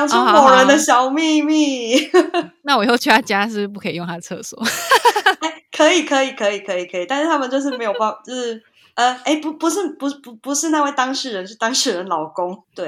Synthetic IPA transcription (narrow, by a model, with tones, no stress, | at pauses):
jɑ˧˥ŋʈ͡ʂʊ˥˧ŋ˧mo˨˩ɻə˨˦nd̪ə˧ɕjɑ˨˩ʊmi˥˧mi˥˧ | na˥˩wo˥˧t͡ɕʰy˥˩t̪ʰa˥˩t͡ɕja˥ʂ̬ɻ̩˥˩p̬u˥˩kʰɤ˧˥i˨jʊ˥˩ŋt̪ʰa˥d̪ə˨˩ɤ̰˥˩swɔ̰˥˩˦ | e˥ɪkʰə˧˥i˨˩kʰɤ˧˥i˨˩kʰɤ˧˦i˨˩kʰɤ˧˥i˨˩kʰi˨˩a˥˧nʂɻ̩˥˩t̪ʰa˥mə˨nt͡ɕjo˥˧ʊʂ̬ɻ̩˥˩me˧˥ɪjo˨˩pa˥˩fa˨˩t͡ɕjo˥˩ʂ̩˥˩ | ə˩e˥˩ɪpu˧˥pu˧˦ʂ̬ɻ̩˥˩pu˧˥˩pu˧˦˥pu˧˦ʂɻ̩˥˧na˥˧we˥˩ɪt̪ɑ˥ŋʂɻ̩˥˩ɻə˧˦nʰy˥˩t̪ɑ˥ŋʂɻ̩˥˩ɻə˨˦nlɑ˨˩ʊkʊ˦ŋt̪we˥˩ɪ